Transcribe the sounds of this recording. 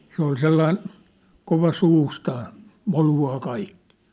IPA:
se ol selːɑin koʋɑ suːstɑː moluɑː kɑikːi̥ː

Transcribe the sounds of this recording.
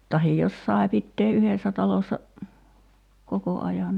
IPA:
tɑhij jos sɑe pitːeː ʔyhesːæ tɑlosːɑ koko ɑjɑ

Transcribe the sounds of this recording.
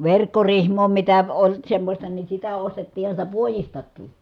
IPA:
ʋerkːorihmoː mitæ olʲ semːosʲtɑ ni sitæ ostetːiːhɑ sitæ puojistɑkːiː

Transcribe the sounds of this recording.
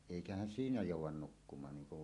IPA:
eˑikæhæn siːnæ joˑuwˑɑn nukːumɑːn niːŋ kuʋ

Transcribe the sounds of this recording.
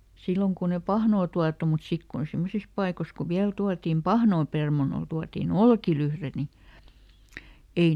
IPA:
silːoŋ kun e pɑhnoː tuɑtu mut sik kun simːosis pɑikos ku ʋiæl tuɑtim pɑhnoː permɑnol tuɑtiˑn olkilyhre ni ei

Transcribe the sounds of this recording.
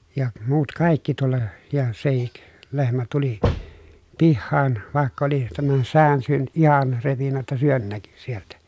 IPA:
jɑ muːt kɑˑikːi tulːɑ jɑ sehik lehmæ tuli pihːɑːn ʋɑˑekː oli tæmæn sæːn syøny̆t ihɑn repinːæ tːæ syøn næky sieltæ

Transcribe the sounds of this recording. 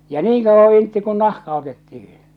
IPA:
jɑ niːŋ kɑuʋːɑ intːi kun nɑhkɑ otetːihi̥

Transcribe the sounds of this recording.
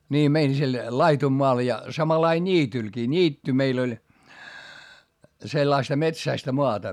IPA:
niː mein sil lɑitumːoɑl jɑ sɑmɑlɑi nʲiːtylkiː nʲiːtːy meil olʲ selːɑistɑ metsæistæ moɑtɑ

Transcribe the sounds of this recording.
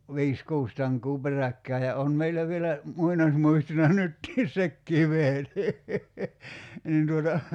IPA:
ʋi̞is kuːs tɑŋkˑuː perækːæː jɑ on meilːæ ʋielæ muinɑsmuistonɑ nytːiː sekːiː ʋehen niː nin tuotɑ

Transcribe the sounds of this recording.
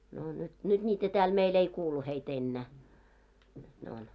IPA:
noˑ nyt nyd̥ nʲiːtæ tæːl meil ei kuːlu heit enːæˑ nyt ne on

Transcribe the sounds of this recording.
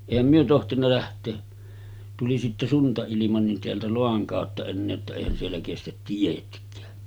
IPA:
eˑihæm myø tohtinːɑ læhtˑeː tuli sitːe suntɑilimɑ nin teæltæ loɑŋ kɑˑotːɑ enːeː etːæ eˑihæn sielːæ kestæt tietkˑæː

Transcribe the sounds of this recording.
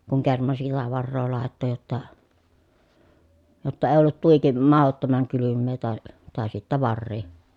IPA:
kuŋ kermɑn silːæ ʋɑrːoː lɑˑetːo jotːɑ jotːɑ eː olːut tuiki mɑhotːomɑŋ kylymːeː tɑˑe tɑˑe sitːæ ʋɑrːiː

